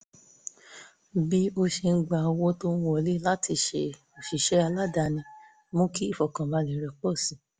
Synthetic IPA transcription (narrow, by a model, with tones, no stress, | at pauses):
bi˦o˧ʃe˧n̩˦ɡ͡ba˧˨o˧wo˦to˦wõ˧˨le˦la˦tʰi˧ʃe˧˨ | o˨ʃi˨ʃɛ˧˦a˧la˦da˨˧˨nĩ˧ | mõ˦ki˦i˦˨fɔ˨kã˨ba˨˧lĩ˨˦ɾɛ˧k͡pɔ˦˨sĩ˨˦